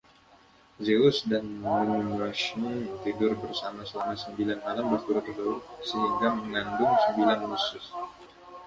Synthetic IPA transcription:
zeʊsdanmunumɾaʃʊnt̪idʊrbərsamasəlamasəmbilanmalambərt̪uɾʊt̪dosəɦiŋɡaməŋandʊŋsəmbilanhusʊs

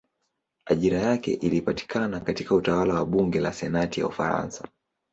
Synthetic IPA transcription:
aʄiɾajakɛ̰ʔilipati̥kʰanakatikautawalawaɓuŋɡɛlasɛnatija̰ufa̰ɾa̰nsa

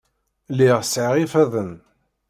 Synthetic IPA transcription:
liʁsʕiʁifæðən

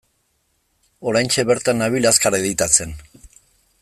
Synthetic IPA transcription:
o̞ɾajnt͡ʃe̞βe̞ɾt̪anaβ̞ilaskaɾeðit̪at͡se̞n

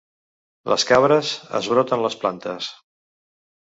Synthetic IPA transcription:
lʔə̰skaβɾəzə̰zβ̞ɾɔt̪ənləsplant̪əs

